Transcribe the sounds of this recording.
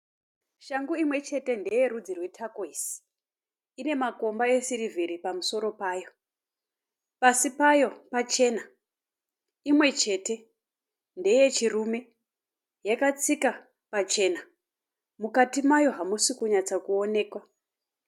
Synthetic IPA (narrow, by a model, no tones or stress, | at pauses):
ʃaŋɡuimwe̞t͡ʃe̞te̞nde̞je̞ɾud͡zirwe̞tʰakoisi̥ | ine̞mako̞mbae̞siɾivʱiɾipamuso̞ɾo̞paːjo̞ | pasipajo̞pat͡ʃe̞na | imwe̞t͡ʃe̞te̞ | nde̞je̞t͡ʃirume̞ | jakat͡sika | pat͡ʃe̞na | mukatimajo̞ɦamusikuɲat͡sakuo̞ne̞ːkwa